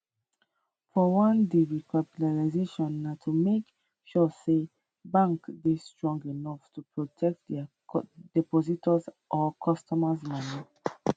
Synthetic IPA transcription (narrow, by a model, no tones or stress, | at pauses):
fɔwãndiɹikʰapitaɹazeʃɔ̃nːatʰumek | ʃɔse | bãŋksbistɹɔ̃ŋɡinɔftupɹotʰɛk̚tdɛ | dɛpɔzitɔz | ʔɔkʰɔstɔmazmani